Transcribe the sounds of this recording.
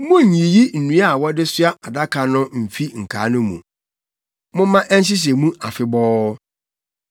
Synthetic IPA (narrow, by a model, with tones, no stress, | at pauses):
mʊ̃˦ɲ̩˨ɲĩ˨ji˦n̩˨nũ˨˦a˨wɔ˦dɪ˦sʊ˦a˦ʔa˨da˦kʰa˨nʊ̃˦m̩˨fi˦ŋ̩˨kʰa˨˦nʊ̃˦mṵ̃˨ | mʊ̃˦mã˦ʔɛ˦n˦ɕ̬ɪ˦s̬ɛ˨mũ˦ʔa˨fɪ˦bɔː˦